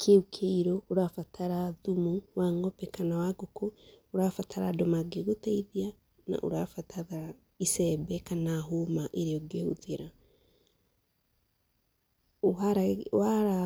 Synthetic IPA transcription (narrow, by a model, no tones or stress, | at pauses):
kʰeukʰeiɾoːɾafatʰaɾaðumuwaŋɡɔpɛkanawaɡokooɾafatʰaɾa̰domaɡeɣotaiðia | na̰ʔo̰ɾa̰fataɾa | isɛbɛkanaɦomaʔeɾejɔɡeuðeɾa | aaɾa